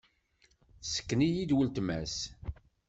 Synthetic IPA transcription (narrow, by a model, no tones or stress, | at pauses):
sə̥kːnijid̪wəlt̪mæs